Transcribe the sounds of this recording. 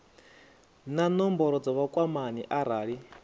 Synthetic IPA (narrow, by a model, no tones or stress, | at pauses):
nanɔmbɔɾɔd͡zɔβakʼwamaniʔaɾaːɺi